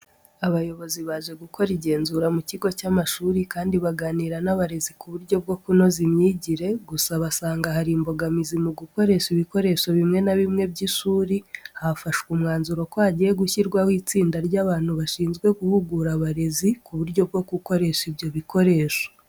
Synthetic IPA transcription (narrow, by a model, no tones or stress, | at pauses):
aβajo̞βo̞ziβaːʒe̞ɡuko̞ɾiɟe̞ːnzuːɾamuciɡo̞camaʃuːɾikaːndiβaɡaːniːɾanaβaɾe̞zikuβuɾɟo̞b̚ɡo̞kuno̞zimɲiɟiɾe̞ɡusaβasaːŋɡahaɾiːmbo̞ɡamizimuɡuko̞ɾe̞ʃiβiko̞ɾe̞ʃoβimŋe̞naβimŋe̞bɟiʃuːɾihafaʃwumŋaːnzuɾo̞kohaɟije̞ɡuçiɾɡwawiːt͡siːndaɾɟaːβaːn̥huβaʃiːnzɡwe̞ɡuhuɡuɾaβaɾe̞zikuβuɾɟo̞b̚ɡo̞ɡuko̞ɾe̞ʃibjo̞βiko̞ɾe̞ːʃo